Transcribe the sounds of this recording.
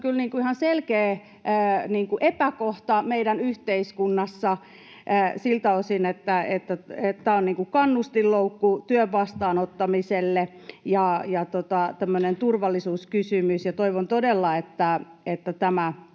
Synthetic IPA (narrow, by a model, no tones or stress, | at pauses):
kylniːŋkuihɑnselkeː | niːŋkuʔepækoht̪ɑmeidænyht̪eiskunːɑsːɑ | silt̪æosinet̪ːæet̪ːæett̪æːonniːŋkukɑnːust̪illoukːut̪yøʋʋɑst̪ɑːnot̪ːɑmiselːe | jɑjɑt̪ot̪ɑt̪æmːønent̪urʋɑlːisuːskysymysjɑt̪oiʋont̪odelːɑet̪ːæet̪ːæt̪æmæ